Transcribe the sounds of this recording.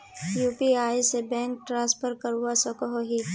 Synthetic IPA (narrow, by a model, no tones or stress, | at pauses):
juːpiaːisebɛ̃ːŋk̚ʈɾãːspʰəɾkɐɾuasɔkɔɦoɦi